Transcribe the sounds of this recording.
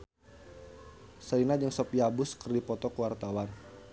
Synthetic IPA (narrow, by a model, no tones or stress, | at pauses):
sainad͡ʒəŋsɔpiabʊskərdipɔt̪ɔkuwart̪awan